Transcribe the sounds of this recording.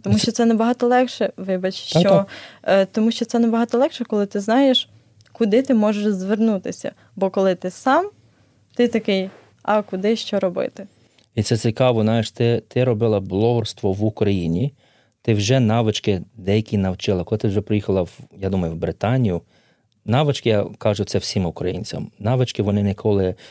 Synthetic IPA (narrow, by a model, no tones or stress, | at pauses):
t̪ɔmuʃt͡ʃɔt̪sɛnɛbɐɦɑt̪ɔlˠɛkʃɛʋɪbɐt͡ʃʃt͡ʃɔ | t̪ɔmuʃt͡ʃɔt̪sɛnɛbɐɦɑt̪ɔlˠɛkʃɛkɔlˠɪt̪ɪznɑjeʃ | kʊd̪ɪt̪ɪmɔʒeʃzʋernut̪ɪsʲɐ̰ | bɔkɔlˠɪt̪ɪsɑm | t̪ɪt̪ɐkɪj | ɑkʊd̪ɪʃt͡ʃɔɾɔbɪ̰t̪ɪ | it̪sɛsʲikɑʋɔznɑjɪʃt̪ɪt̪ɪɾɔbɪlˠɐblˠɔɦʊrst̪ʋɔʋʊkɾɐjinʲi | t̪ɪwʒɛnɑʋɪt͡ʃkɪd̪ɛjɐkʲinɐwt͡ʃɪlˠɐkɔlˠɪt̪ɪwʒɛpɾɪjixɐlˠɐwjɑd̪umɐjʊwbɾɪt̪ɑnʲijʊ | nɑʋɪt͡ʃkɪjakɑʒʊtsɛwsʲimʊkɾɐjinʲt͡sʲɐ̰mnɑʋɪt͡ʃkɪʋɔnɪnɪkʰɔlˠɪ